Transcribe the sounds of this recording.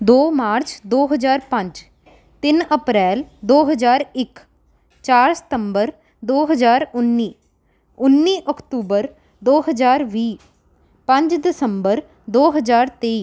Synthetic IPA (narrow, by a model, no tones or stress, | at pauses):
d̪oːmaːɾt͡ʃd̪oːɦəd͡ʒaːɾpə̃ɲd͡ʒ | t̪ɪnəpɾɛːld̪oːɦəd͡ʒaːɾɪk | t͡ʃaːɾsə̥t̪əmbəɾ | d̪oːɦəzaːɾʊnːiː | ʊnːiːʔɔkt̪uːbəɾ | d̪oːɦəzaːɾʋiː | pə̃ɲd͡ʒd̪ɪsəmbəɾ | d̪oːɦəzaːɾt̪eːiː